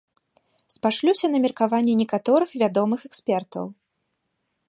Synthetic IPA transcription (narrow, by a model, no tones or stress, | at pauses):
spaʂlʲusʲɐnɐmʲirkavanʲːɛnʲɛkat̪ɔɾɨxvʲad̪ɔmɨxɛksʲpʲɛrt̪ɐ̰w